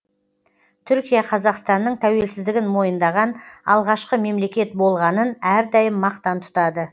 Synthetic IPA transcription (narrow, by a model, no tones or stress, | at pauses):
t̪ʰʏɾkʲijɑqʰɑzɑqst̪ɑnːəɴt̪ʰæwe̞lsɪzd̪ɪɡʲɪnmo̞jənd̪ɑʁɑnɑ̰lˠʁɑʃqəme̞mle̞kʲe̞t̪̚bo̞lˠʁɑnənæɾd̪ɑjəmːɑqt̪ɑnt̪ʰʊ̥t̪ɑd̪ə